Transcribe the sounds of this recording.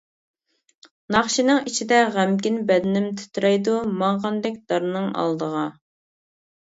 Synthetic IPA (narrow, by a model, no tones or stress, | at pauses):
nɑχʃinɨŋit͡ʃʰid̪ɛʁæmɡʲinbɛd̪ɪnɪmt̪ʰy̥t̪ʰɾɛjd̪umɑŋʁɑnd̪ɛk̚ʲd̪̥ɑɾnɨŋɑ̰lˠd̪əʁɑ